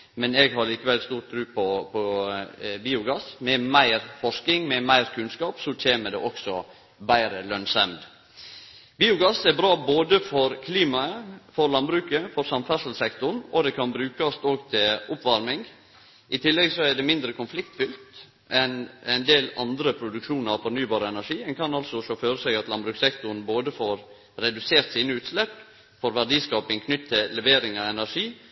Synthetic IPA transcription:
mɛnɛɡɦɑɾliːkəʋɛlst̪uːɾt̪̚ʰɾʉːpʰɔpʰɔ | biːʊɡɑsmɛmæɪɾfɔʂkɪŋmɛmæɪɾkʰʉnskɑːpsɔt͡ʃʰeːməɖɛ̰ʔɔksɔ̰ | bæɪɾəlœnsɛmd̪ | biːʊɡɑsɛɾbɾɑːboːd̪əfɔɾkʰliːmɑəfɔɾlɑnbɾʉːkəfɔɾsɑmfæsəl̩sɛkt̪ʊɳɔd̪ɛkʰɑnbɾʉːkɑst̪oːɡt̪ʰɪlʊpʋɑɾmɪŋ | ʔɪt̪ʰɪlːɛɡsɔæɖ̪ɛmɪnd̪ɾəkʰʊnflɪkt̪fʏlt̪ | ʔɛnɛɪnd̪eːlɑnd̪ɾəpʰɾʊd̪ʉkʂuːnəɾɑfɔɾnyːbɑːɾəɛnæʂiːmɛnkʰɑnɑlsɔʃɔføːɾəsɛɡɑt̪lɑnbɾʉːksɛkt̪ʊɾn̩boːd̪əfoːɾ | ɾɛd̪ʉseːɾt̪siːnəʉːt̪slɛp | fɔɾʋæɖiːskɑːpɪŋkʰnʏt̪ʰːɪllɛʋeːɾɪŋɑɛnæɾʂiː

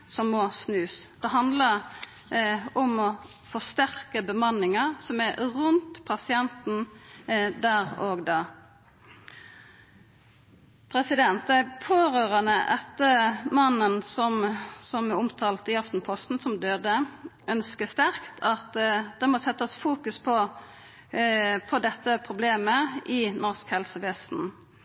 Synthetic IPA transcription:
sɔmːɔsnʉːsd̪̥ɛɦɑnd̪ləʁ | ɔmɔ | fɔst̪æʁkəbəmɑnɪŋəʁsɔmæʁʉnt̪pʰɑsɪɛnt̪n̩ | d̪æːʁoːɡd̪ɑː | pʰɾɛsɪd̪ɛnt̪d̪æɪpʰoːɾøːʁənəʔɛt̪ːəmɑnːənsɔmsɔmɛʊmt̪ʰɑːlt̪ɪɑft̪n̩pʰɔst̪n̩sɔmd̪øːd̪əʔœnskəst̪æʁkt̪ʰɑt̪d̪̥ɛmɔsɛt̪ːəsfuːkʉspʰɔ | pʰɔd̪ɛt̪ːəpʰʁʊbleːməɪnɔʁskhɛlsəʋɛsn̩

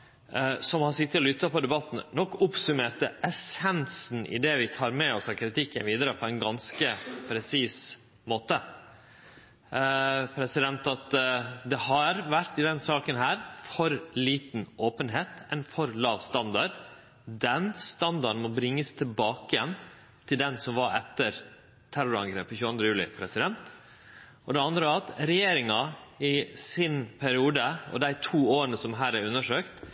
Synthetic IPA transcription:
sɔmhɑsɪt̪ːəlɔlʏt̪ːəpɔd̪ɛbɑt̪ːnənɔkːʊpsʉmeːɾt̪əʔɛsɛnsn̩ʔɪ̰d̪ɛʋɪt̪ʰɑːɾmɛɔsɑʋkʰɾɪt̪ɪkːənʋiːd̪əɾəpʰɔɛɪnɡɑnskəpʰɾɛsiːs | moːt̪ə | pʰɾɛsɪd̪ɛnt̪ɑt̪d̪ɛhɑɾʋæɾt̪ɪd̪ɛnsɑːkənɦæːɾfɔɾliːt̪n̩ʔoːpənɦeːt̪ɛnfɔɾlɑːʋst̪ɑnd̪ɑɖ | d̪ɛnst̪ɑnd̪ɑn̩mɔbɾɪŋːəst̪ʰɪlbɑːkəjɛn | t̪ʰɪld̪ɛnsɔmʋɑɾɛt̪ːəɾ | t̪ʰæɾʊɾɑ̰ŋɡɾḛːpːçʉːɑnd̪ɾəjʉːlɪ̰pʰɾɛsɪd̪ɛnt̪ | ʔɔd̪ɛɑnd̪ɾəɑt̪ɾɛjeːɾɪŋɑɪsɪnpʰæɾɪuːd̪əɔ̰d̪æɪt̪ʰuːoːɾənəsɔmɦæːɾæɾʉnːəʂøːkt̪

